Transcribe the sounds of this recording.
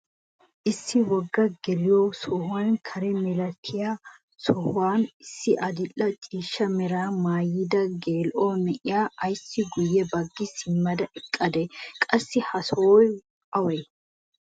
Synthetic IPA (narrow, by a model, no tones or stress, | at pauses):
ʔɪsːɪwɔɡːɐɡɛlɪjosɔhwaːnkʰɐɾɛmɛlɐt̪ʰːɪjaː | sɔhwaːnɪsːɪʔɐd̪ɪlːɐt͡ʃʼiːʃːɐmɛɾaːmaːjɪd̪ɐɡeːlʔoːmɛʔɪjaːɐjsːɪɡʊjːɛbɐɡːɪsɪmːɐd̪ɐʔɛkʼːɐd̪ɛkʼɐsːɪhɐsoːj | ɐwɛ